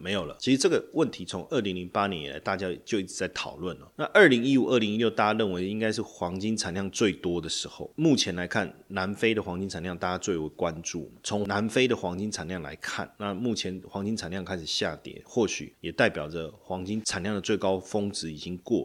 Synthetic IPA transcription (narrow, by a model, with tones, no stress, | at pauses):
me˧˥ɪjo˨˩lə̰˦t͡ɕʰi˧˥ʂɻ̩˧ʈ͡ʂɤ˥˩ɡə˩wə˥˨˩nt̪ʰi˧˥t͡sʰo˧˦ŋə˞˥˩li˧˥ŋli˧˥ŋpa˥njɛ˧˦ni˨˩la̰˧˥ɪt̪a˥˩t͡ɕja˥˨˩t͡ɕjo˥˧ʊi˥˩˨t͡sa˥˩ɪt̪ʰɑ̰˨˩ʊlwə˥˩nə˩na˥˧ʔə˞˥˩li˧˥ŋi˦˥u˨˩ə˞˥˩li˧˥ŋi˥ljo˥˧ʊt̪a˥˧˩ja˧ɻə˥˩nwe˧˥ɪ˧i˦˥ŋka˥ɪʂɻ̩˥˩xwɑ˧˥ŋt͡ɕi˥ŋt͡sʰa˨˩nljɑ˥˧ŋt͡swe˥˩ɪt̪wɔ˥d̪ə˨ʂɻ̩˧˦xo˥˩ʊmu˥˩t͡ɕʰjɛ˧˥nla˧˥ɪkʰa˥˩nna˧˥nfe˥ɪd̪ə˨xwɑ˧˥ŋt͡ɕi˥nt͡sʰa˨˩nljɑ˥˧ŋt̪a˥˩t͡ɕa˧˥t͡swe˥˩ɪwe˧˥˩ɪkwa˦nʈ͡ʂṵ˥˨m˨˩t͡sʰo˧˥ŋna˧˦nfe˥ɪd̪ə˨xwɑ˧˥ŋt͡ɕi˥ŋt͡sʰa˨˩nljɑ˥˩ŋla̰˧˦ɪkʰa̰˥˨nna˥˧mu˥˩t͡ɕʰjɛ˧˥nxwɑ˧˥ŋt͡ɕi˥ŋt͡sʰa˨˩nljɑ˥˧ŋkʰa˥ɪʂ̩˨˩ɕja̰˥˨˩t̪jɛ̰˨˩˦nxwɔ˥˩ɕy̰˨˩jɛ˨˩t̪a˥˩ɪpjɑ˨˩ʊd͡zə˦xwɑ˧˥ŋt͡ɕi˥ŋt͡sʰa˨˩nljɑ˥˩ŋd̪ə˩t͡swe˥˩ɪkɑ˥ʊfo˥ŋt͡sɹ̩˧˥i˨˩t͡ɕi˦ŋkwɔ̰˥˩